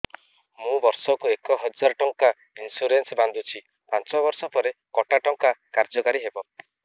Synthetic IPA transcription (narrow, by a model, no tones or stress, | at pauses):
mũbɔɾsɔkuekɔɦɔd͡ʒaɾɔʈɔŋka | insuɾensband̪ʱut͡ʃʰi | pant͡ʃɔbɔɾsɔpɔɾekɔʈaʈɔŋkakaɾd͡ʒɔkaɾiɦebɔ